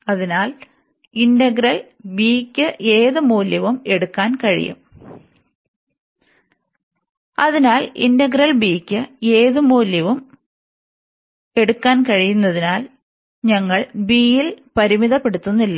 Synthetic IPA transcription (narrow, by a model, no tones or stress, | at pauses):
ɐðinaːl | indɐɡɾɐl | biːkʲːɨʔe̞ːðɨmuːljɐʋume̞ɽukːaːnkɐɻḭjṵm | ɐðinaːlḭndɐɡɾɐlbiːkʲːɨeːðɨmuːljɐʋum | e̞ɽukːaːnkɐɻijunːɐðinaːl | ɲɐŋːɐɭbiːjilpɐɾimiðɐpːe̞ɽut̪ːunːilːɐ